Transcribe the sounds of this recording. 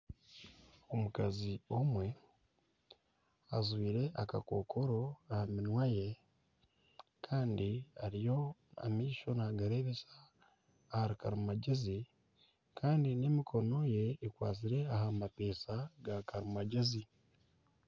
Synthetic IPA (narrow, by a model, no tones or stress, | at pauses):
o̞mukazio̞mwe̞ | azwiːɾe̞ʔaka̰ko̞kʰoɾo̞ahaminwaje̞ | kʰaːndiaɾijo̞a̰miːʃo̞naɡaɾe̞βesaː | haɾikaɾimaɟezi | kʰaːndine̞mikʰo̞no̞je̞ːkwaːs̬iɾe̞ahamapeːsaɡakaɾimaɟezi